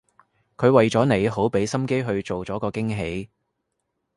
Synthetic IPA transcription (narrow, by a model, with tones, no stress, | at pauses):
kʰɵ˨˧ɥwɐ˨jt͡sɔː˨˥ne˨˩jɦo˨˥wpe˨˥jsɐ˥mke˥jɦɵ˧ɥt͡so˨wt͡sɔː˨˥kɔː˧kɪ˥ŋɦe˨˥j